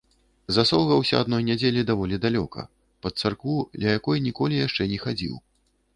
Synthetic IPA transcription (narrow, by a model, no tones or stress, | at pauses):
zasɔlˠɣɐwsʲɐ̰ad̪nɔjnʲad͡zʲelʲid̪avɔlʲid̪alʲɔ̰kɐ̰ | pɐt̪sarkvudlʲɐjakɔjnʲikɔlʲijaʂt͡ʂɛnʲɛxad͡zʲḭw